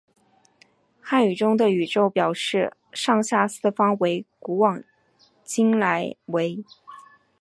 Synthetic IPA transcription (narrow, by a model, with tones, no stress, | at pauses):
xa˥˩ny˨˩ʈ͡ʂʊ˥ŋd̪ə˨y˨˩ʈ͡ʂo˥˧ʊpjɑ˨˩ʊʂɻ̩˥˧ʂɑ˥˧ŋɕja˥˩sɹ̩˥˩fɑ˥ŋwe˧˥ɪku˧˥wɑ˨˩ŋ | t͡ɕi˥ŋla˧˥ɪwe˧˥ɪ